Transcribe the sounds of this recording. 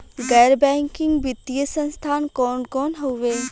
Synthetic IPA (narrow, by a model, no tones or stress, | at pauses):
ɡɛːɾbɛ̃ːŋkɪŋɡʋɪt̪ijəsə̃nst̪ʰaːnkɔːnkɔːnɦoʋeː